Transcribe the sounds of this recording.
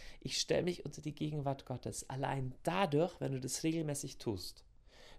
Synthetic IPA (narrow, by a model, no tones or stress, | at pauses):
ʔɪçʃtɛ̰ləmɪçʔʊntʰɐdiːɡeːɡŋ̩vaɐtɡ̥ɔtʰəsʔa̰la̰ɪnd̥adʊɐçv̥ɛ̰nduːdasʁeːɡl̩mɛːsɪçtʰṵːst